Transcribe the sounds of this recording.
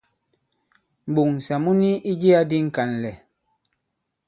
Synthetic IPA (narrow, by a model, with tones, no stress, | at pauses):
m̩˨ɓu˨ŋn̩˨sa˨mu˦ni˦ʔi˦d͡ʒe˦a˦di˦ŋ̩˨ka˨n˨lɛ˨